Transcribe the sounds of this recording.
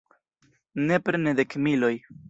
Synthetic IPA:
ne̞pɾened̪ekmilo̞j

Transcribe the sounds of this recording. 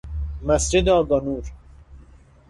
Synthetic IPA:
mæsd͡ʒed̪eɒːɡɒnuːɾ

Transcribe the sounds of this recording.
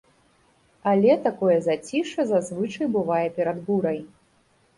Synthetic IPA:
alʲɛt̪akɔjɛzat͡sʲiʂɐzazvɨt͡ʂɐjbɨvajɛpʲɛɾad̪buɾɐj

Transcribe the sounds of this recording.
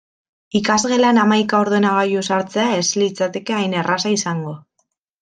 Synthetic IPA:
ikazɣe̞lanamajkao̞ɾðuenaɣ̞ajusaɾt͡se̞ae̞slit͡sat̪e̞ke̞ajne̞rasaisaŋɡo̞

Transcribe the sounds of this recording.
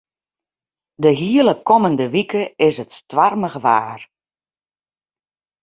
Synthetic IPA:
dəɦiələkɔməndəʋikəɪsətstʋarməɣəʋaːr

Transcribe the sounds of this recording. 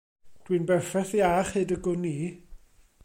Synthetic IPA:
d̥winbɛfɛθiaχhedəɡʊnːiː

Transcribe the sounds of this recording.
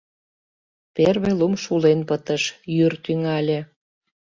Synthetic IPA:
perβelumʃulenpət̪əʃjyrt̪yŋɑlʲĕ

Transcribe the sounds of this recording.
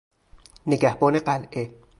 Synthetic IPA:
neɡæhbɒːne̞ɢælʔe

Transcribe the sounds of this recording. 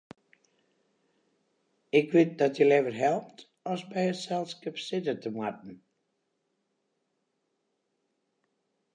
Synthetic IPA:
ɪkʋɪt̚dɔtjəlɛvərɦɛlˠp̚t | ɔsbɛjətsɛlˠskəpsɪtətʰəmwat̚n̩

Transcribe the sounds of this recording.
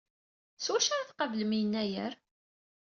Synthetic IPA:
swæʃaɾθqəvləmijənːæjə̰ɾ

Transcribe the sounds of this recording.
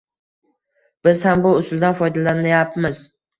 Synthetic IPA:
b̥ɪzhambʊʊsʊlˠd̪anfɒjd̪alanajapmɪz

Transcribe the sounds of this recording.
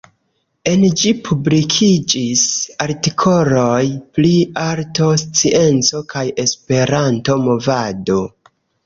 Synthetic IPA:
e̞nd͡ʒipʰublikʰid͡ʒisaɾtikʰo̞lo̞jpliaɾto̞st͡siʔe̞nt͡so̞kaje̞spe̞ɾanto̞mo̞vado̞

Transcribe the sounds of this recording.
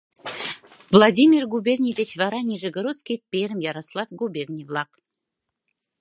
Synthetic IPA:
vlˠadʲimʲirɡubʲerʲnʲivʲet͡ɕvɑɾanʲiʒɨɡoɾot̪skʲipʲeɾmjɑɾaslˠɑfɡubʲerʲnʲijvlˠɑk

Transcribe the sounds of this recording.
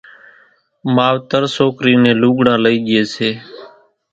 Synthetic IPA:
maːʋt̪əɾsoːkɾiːnẽːluːɠɽãːləiːɠɪeːseː

